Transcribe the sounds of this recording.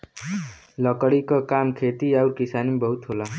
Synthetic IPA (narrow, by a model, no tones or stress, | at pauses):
lɔkəɽikakaːmkʰeːt̪iaʊɾkɪsaːnmẽbəɦʊt̪ɦolaː